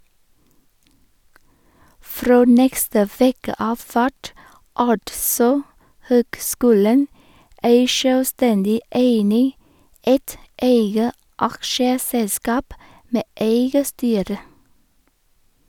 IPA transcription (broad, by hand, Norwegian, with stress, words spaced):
ˈfɾoː ˈnɛkstə ˈʋeːkə ˈɑːf ˈfæʈ ˈɑʈsɔ ˈhøːkˌskʉːlən ˈeɪ ʃœlˈstɛndɪ ˈʔeɪnɪ ˈeɪt ˈeɪɡə ˈɑkʃəˌsɛlˌskɑːp ˈmeː ˈʔeɪɡə ˈstyːɾə